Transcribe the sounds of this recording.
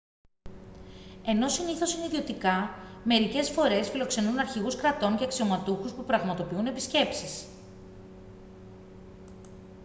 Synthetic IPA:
e̞no̞siniθo̞siniðio̞t̪ikɐme̞ɾice̞sfo̞ɾe̞sfilo̞kse̞nunɐɾçiɣuskɾɐt̪o̞ɲceɐksio̞mɐt̪uxuspupɾɐɣmɐt̪opiune̞pisce̞psis

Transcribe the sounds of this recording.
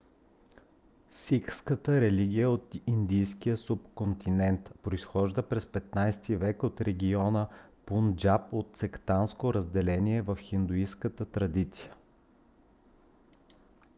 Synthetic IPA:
sikskət̪əɾɛliɡ̟ʲiəot̪ind̪ijskijəsupkont̪inɛnt̪pɾoisxɔʒd̪əpɾɛspɛt̪najst̪ivɛkot̪ɾɛɡʲiɔnəpund͡ʒapot̪̚t̪sɛkt̪anskoɾəzd̪ɛlɛnʲiɛvəfxind̪uiskət̪ət̪ɾɐd̪it̪si̥jə

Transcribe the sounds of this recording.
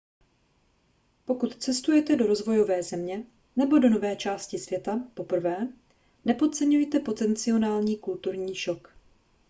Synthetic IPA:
po̞kut̪t͡sɛst̪ujɛt̪ɛdo̞ɾo̞zvo̞jo̞vɛːzɛmɲɛ | nɛbo̞do̞no̞vɛːt͡ʃaːscɪsvjɛt̪apo̞pr̩vɛː | nɛpo̞t̪̚t͡sɛɲujt̪ɛpo̞t̪ɛnt͡sɪo̞naːlɲiːkult̪uɾɲiːʃo̞k

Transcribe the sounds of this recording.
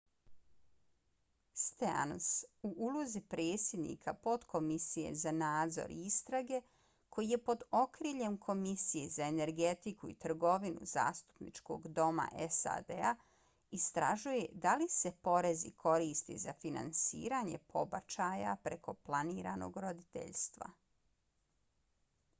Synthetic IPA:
st̪ea̰nosuʔuluzipɾeːt̪sʲje̞d̪nḭkʰapo̞t̪kʰo̞misije̞̰zanaːd̪zo̞̰ɾiist̪ɾaɡe̞ | kʰo̞jije̞po̞d̪o̞kɾiːʎe̞mkʰo̞misijezaene̞ɾɡe̞t̪ikuit̪r̩ɡo̞ʋinṵza̰ːst̪u̥pnḭt͡ʃko̰ɡd̪o̞ma̰ʔesa̰d̪ea | ist̪ɾaʒuje̞d̪alise̞po̞ɾe̞zḭkʰo̞ɾiːst̪ḭzafina̰nsḭːɾaɲe̞pʰo̞bat͡ʃaja̰pɾeko̞plˠaniːɾano̞̰ɡɾod̪it̪ḛʎst̪ʋa̰

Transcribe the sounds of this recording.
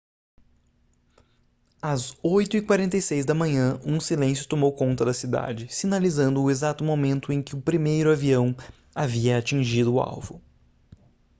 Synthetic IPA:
ɐzojt̪ʊikwaɾẽnt̪ɐjsejzd̪ɐmɐ̃ɲɐ̃ũsilẽsjʊt̪omowkõnt̪ɐd̪ɐsid̪a̰d͡ʒɪsinalizɐ̃nd̪ʊːezat̪ʊmomẽnt̪ʊẽj̃kɪʊpɾimejɾʊaviɐ̃w̃ | aviɐat͡ʃĩʒid̪ʊːa̰wvʊ

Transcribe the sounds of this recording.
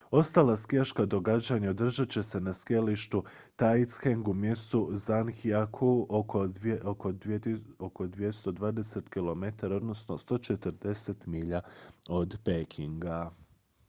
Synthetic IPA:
o̞st̪aːlˠaskiaʃkad̪o̞ɡad͡ʑaɲaod̪r̩ʒat͡ɕe̞se̞naskealiʃt̪u | t̪ajt̪sxeŋɡumjest̪uzanxiakʰuooooko̞d̪ʋje̞st̪o̞d̪ʋaːd̪ese̞t̪kilo̞me̞t̪aɾao̞d̪no̞sno̞st̪o̞t͡ʃe̞t̪əɾd̪e̞set̪miʎao̞d̪pekʰiŋɡa

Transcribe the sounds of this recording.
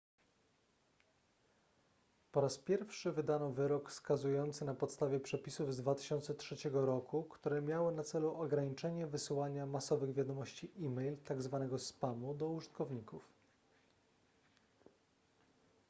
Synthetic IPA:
pɔɾaspʲjɛɾfʂɘvɘd̪anɔvɘɾɔkfskazujɔnt̪sɘnapɔt̪st̪avʲjɛpʂɛpʲisuvzd̪vat̪ɘ̥ɕɔnt̪sɛtʂɛt͡ɕɛɡɔɾɔkukt̪uɾɛmʲjawɘnat̪sɛluʔɔɡɾaɲit͡ʂɛɲɛvɘsɘwaɲamasɔvɘɣvʲjad̪ɔmɔɕt͡ɕiʔimɛjlt̪aɡzvanɛɡɔspamud̪ɔuʐɘt̪kɔvɲikuf

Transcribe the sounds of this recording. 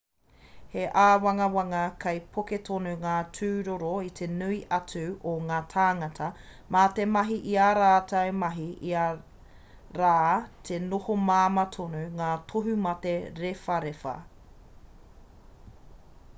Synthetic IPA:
heʔaːwɐŋɐwɐŋɐkʰɐjpʰoketʰonuŋaːtʰʉːɾoɾoit̪ʰe̞nuiʔɐt͡sʰʉʔoŋaːtʰaːŋɐtʰɐ | maːtemɐɦiʔiaɾaːtɐwmɐɦiʔiɐ | ɾaːtʰenohomaːmɐtʰonuŋaːtʰoɦʉmɐteɾefɐɾefɐ̰

